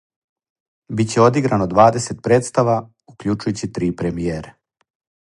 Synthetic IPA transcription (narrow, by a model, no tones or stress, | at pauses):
bit͡ɕe̞o̞d̪iɡɾanod̪ʋaːd̪e̞se̞t̪̚pɾe̞ːt̪st̪aʋa | ukʎut͡ʃujut͡ɕit̪ɾiːpɾe̞mijeːɾe